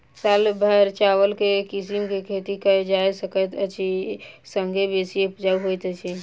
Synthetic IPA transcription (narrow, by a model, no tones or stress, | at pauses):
salbʱəɾt͡ʃawəlkekisimkekʰet̪ikəd͡ʒajsəkət̪ət͡ʃʰi | səŋɡʱebesiepd͡ʒauɦojt̪t͡ʃʰi